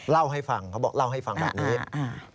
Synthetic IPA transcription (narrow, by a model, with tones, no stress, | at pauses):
la˥˩wɦa˥˩jfa˧ŋkʰa˦˥wbɔː˨˩kla˥˩wɦa˥˩jfa˧ŋbɛ̰ː˨˩p̚niː˦˥˧